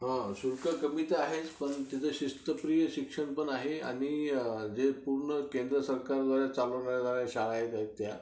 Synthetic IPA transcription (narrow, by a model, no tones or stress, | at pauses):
ɦãsuɾkəkəmit̪eaɦet͡spəɳt̪at͡səɕist̪əpɾijəɕikʂəɳpəɳaɦea̰ɽ̃id͡zepuɾɳəkend̪ɾəsəɾkaɾd̪ʋaɾjat͡saləʋɳaɾjad̪ʋaɾjaɕaɭaɦet̪aɦet̪ːja